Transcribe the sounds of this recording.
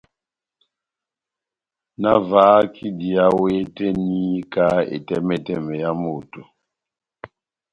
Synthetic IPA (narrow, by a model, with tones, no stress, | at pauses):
na˦vaː˨˦kʰi˦di˨a˦we˦tɛ˦ni˦ka˦ḛ˨tɛ˦mɛ˦tɛ˦˨mɛ˨ja˦mo˨to˨